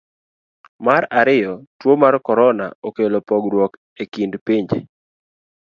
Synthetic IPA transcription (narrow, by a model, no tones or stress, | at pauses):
maɾaɾɪjɔtwomarkɔɾɔna̰okelopɔɡɾwɔk | ekindpiɲd͡ʒe